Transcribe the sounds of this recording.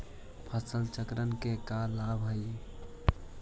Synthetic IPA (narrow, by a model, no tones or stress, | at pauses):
pʰəsəlt͡ʃəkɾənkekalabɦəj